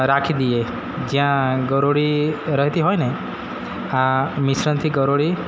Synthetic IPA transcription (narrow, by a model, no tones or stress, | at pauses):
ɾakʰid̪ie | d͡ʒĩɦãɡɔɾoɽiɾɔɦit̪iɦɔjne | amisɾɔnt̪ʰiɡɔɾoɽi